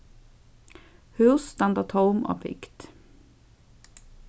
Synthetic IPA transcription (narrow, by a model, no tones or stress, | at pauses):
hʉːst̪ɑnd̪ɑt̪ʰhɔʊmʔo̰ːpʰɪ̰kt̪